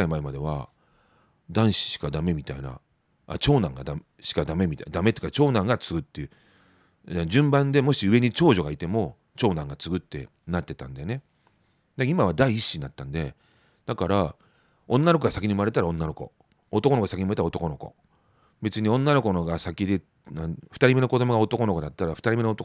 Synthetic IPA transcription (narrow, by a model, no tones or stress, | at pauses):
aimaemad̪e̞βa̰ | d̪ãɰ̃ɕi̥ɕi̥kad̪ame̞mʲit̪aina̰ | a̰t͡ɕo̞ːnãŋɡad̪a | ɕi̥kad̪ame̞mʲit̪ad̪ame̞t̪e̥kːat͡ɕo̞ːnãŋɡat͡sɨɡɯ̟t̪ːe̞ɯ̟ | ad͡ʑɨ̃mbãnd̪e̞mo̞ɕiɯ̟e̞ɲ̟it͡ɕo̞ːʑo̞ɡait̪e̞mo̞ | t͡ɕo̞ːnãŋɡat͡sɨɡɯ̟t̪ːe̞̰ | nat̪ːe̞t̪ã̰nd̪ajone̞ | d̪aimaβ̞ad̪aiːɕːinat̪ːãnd̪e̞ | d̪̥akaɾa | õ̞nːano̞koɡasakʲiɲ̟iɯmaɾe̞t̪aɾaõ̞nːano̞ko̞̰ | ot̪okonokasakʲiɲiɯmaet̪aot̪o̞ko̞no̞ko̞̰ | be̞t͡sɨɲ̟iõ̞nːano̞ko̞noɡasakʲid̪e̞ | aɸɯ̥t̪aɾʲime̞no̞ko̞d̪o̞mo̞ɡao̞t̪o̞ko̞no̞ko̞d̪at̪ːaɾaɸɯ̟t̪aɾʲime̞noot̪o